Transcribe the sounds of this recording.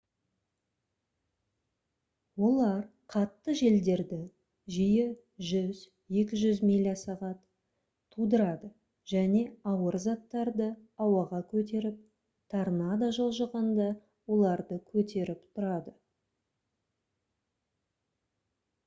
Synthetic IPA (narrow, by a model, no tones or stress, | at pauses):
wo̞lˠɑɾqʰɑt̪ːəʒe̞ld̪e̞ɾd̪ɪ | ʒijɪ | ʒʏz | je̞kʲɪʒʏzmilʲasɑʁɑt̪ʰː | ud̪əɾɑd̪ə | ʒ̥æne̞ɑwəɾzɑt̪ːɑɾd̪əɑwɑʁɑkʲʰɵt̪̬e̞ɾɪp̚ | t̪ʰɑɾnɑd̪ɑʒolˠʒəʁɑnd̪ɑ | wo̞lˠɑɾd̪əkʲʰɵt̪e̞ɾɪpt̪ʰʊɾɑd̪ə